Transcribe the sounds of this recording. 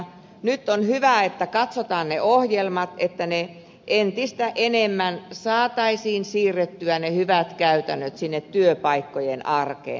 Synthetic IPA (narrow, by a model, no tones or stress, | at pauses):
nyt̪ːonhyʋæˑet̪ːækɑt̪sot̪ɑːnneʔohjelmɑt̪et̪ːæne | ʔent̪ist̪æʔenemːænsɑːt̪ɑisiːnsiːrːet̪ːyænehyʋæt̪kæyt̪ænːøt̪sinːet̪tyøpɑikːojenɑrkḛn